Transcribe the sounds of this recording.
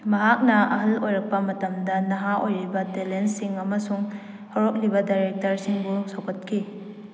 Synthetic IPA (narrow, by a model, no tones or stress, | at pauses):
mɐɦak̚nɐɐ̰ɦɐlojɾɐk̚pɐmɐtɐmdɐnɐɦaʔojɾibɐtelensiŋɐmɐsuŋ | hɐɾok̚libɐdajɾek̚tɐɾsiŋbusowkʰɐt̚kʰi